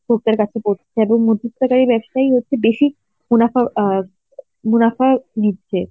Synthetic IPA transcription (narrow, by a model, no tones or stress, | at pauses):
ɡʱok̚t̪aɾkat͡ɕʰepoɾt͡ɕʰeeboŋmud̪ʱːut̪ːakaɾibɛbʃajɦotːɕʰebeʃi | munafa | munafanitːd͡ʑʰe